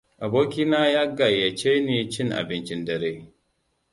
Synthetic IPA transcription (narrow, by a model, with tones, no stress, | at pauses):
ʔa˨boː˦kʲi˦naː˦jaː˦ɡa˨jːa˨t͡ʃeː˦neː˨t͡ʃɪ˦ŋʔa̰˨bɪ˦nt͡ʃɪ˦ndɐ˨ɾeː˦